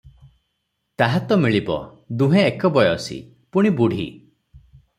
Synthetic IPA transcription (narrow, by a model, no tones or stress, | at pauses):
t̪aɦat̪ɔmiɭibɔ̰ | d̪uɦeːkɔbɔjɔsḭ | puɽ̃ibuɽ̤ʱḭ